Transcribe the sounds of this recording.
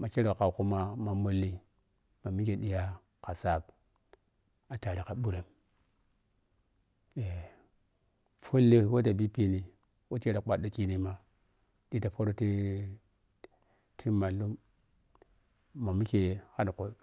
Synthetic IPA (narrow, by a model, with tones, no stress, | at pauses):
ma˨ke˦ɾo˨ka˨ku˦ma˦ma˨mo˦lːi˦ | ma˨mi˦ke˨ɗi˦ja˦ | ka˨sa˦˨b̚ | a˨ta˨ɾi˨ka˨ɓu˦ɾe˨m | e˨ | fo˦lːe˦wo˦da˨bi˦pi˦ni˨ | wo˦t͡ʃe˦ɾa˨k͡pa˨do˦ki˦ni˦ma˨ | ɗi˦ta˨fo˦ɾo˦ti˦ | tʰi˦ma˨lu˦m | ma˨mi˦ke˨ha˦dko˨